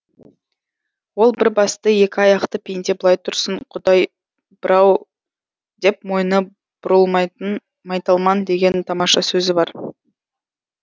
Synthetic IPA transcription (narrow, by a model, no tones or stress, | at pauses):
wo̞lˠbɪɾbɑst̪əje̞kʲɪɑjɑqt̪əpʰʲejnt̪e̞bəlˠɑjt̪ʰʊɾsəɴqʰʊd̪ɑj | b̥ɪɾɑw | d̪e̞pmo̞jnə | b̥ʊɾəlˠmɑn | mɑjt̪ɑlˠmɑnd̪e̞ɡʲe̞nt̪ʰɑmɑʃɑsɵzɪbɑɾ